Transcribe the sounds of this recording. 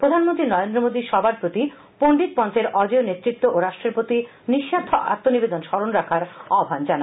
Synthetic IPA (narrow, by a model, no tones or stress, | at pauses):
pɾod̪ʱanmont̪ɾinɔɾend̪ɾomod̪iʃɔbaɾpɾot̪i | poɳɖit̪̚pɔnt͡ɕeɾɔd͡ʑeonet̪ːɾit̪ːoʔoɾaʃʈɾeɾpɾot̪i | niʃːaɾt̪ʰoʔa̰t̪ːonibed̪onʃɔɾonɾakʰaɾɔbʱand͡ʑana